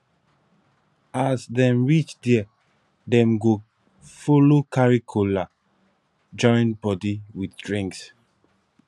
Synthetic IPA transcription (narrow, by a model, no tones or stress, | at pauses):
asdɛ̃mɹit͡ʃdi | dɛ̃mɡo | folokaɹikʰula | d͡ʒɔ̃ɪ̃nbɔdiwiθdɹĩŋks